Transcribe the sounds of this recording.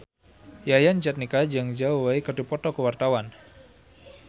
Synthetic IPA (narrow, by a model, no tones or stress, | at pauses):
jajand͡ʒat̪̚nikad͡ʒaŋd͡ʒauwaikədupɔt̪ɔkəwart̪awan